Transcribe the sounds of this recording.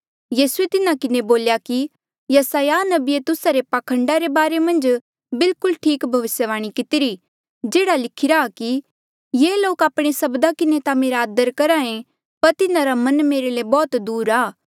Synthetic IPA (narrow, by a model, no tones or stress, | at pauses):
jiːsuet̪ɪnakɪneboːljaki | jɐsaːjanɐbiet̪ʊsaɾepakʰə̃ɳɖaɾebaːɾemɐ̃nd͡ʒ | bɪlkʊlʈʰiːkbʱɐʋɪsjəʋaːɽ̃ikɪt̪ɪɾi | d͡ʒeːɽalɪkʰɪɾaki | jeːloːkaːpɽ̃esɐbd̪akɪnet̪ameːɾaːd̪əɾkɐɾãːẽ | pɐɾt̪ɪnãɾamɐ̃nmeːɾelebɔːt̪d̪uːɾaː